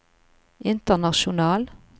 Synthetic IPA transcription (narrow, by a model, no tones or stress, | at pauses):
ɪnt̪ənɑʃʊnɑːl